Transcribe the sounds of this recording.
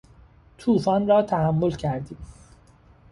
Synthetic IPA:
t̪ʰuːfɒːnrɒːt̪ʰæhæmːo̞lcʰæɾd̪iːm

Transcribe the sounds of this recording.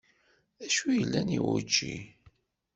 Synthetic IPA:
æʃujəlːæniwṵt͡ʃːi

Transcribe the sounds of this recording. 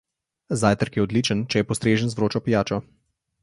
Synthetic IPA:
zaːjt̪əɾkjɛɔd̪liːt͡ʃənt͡ʃɛjɛpɔst̪ɾeːʒənzvɾoːt͡ʃɔpijaːt͡ʃɔ

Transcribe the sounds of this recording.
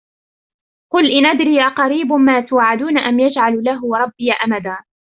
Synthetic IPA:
qʊlʔɪnʔad̪ɾiːʔɑqɑɾiːbʊmaːt̪ʊwaːʕːad̪uːnaʔamjad͡ʒʕallaɦɾˤɑbːɪjaʔamad̪aː

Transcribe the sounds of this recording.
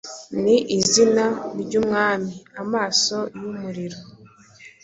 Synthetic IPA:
niʔizinaɾɟumŋaːmiamaːso̞jumuɾiɾo

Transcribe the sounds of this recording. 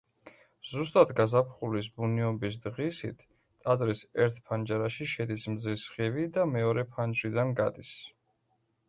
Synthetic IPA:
z̥ust̪ʼad̪ɡazapʰχulisbuniɔbis̬d̪ʁisit̪ʰ | t̪ʼazɾisɛɾt̪ʰpʰand͡ʒaɾaʃiʃɛd̪ismzisχivid̪amɛɔɾɛpʰand͡ʒɾid̪anɡad̪is

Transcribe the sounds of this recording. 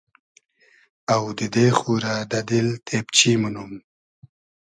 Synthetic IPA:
awd̪əd̪exuɾad̪ad̪ilt̪ʰept͡ʃimunum

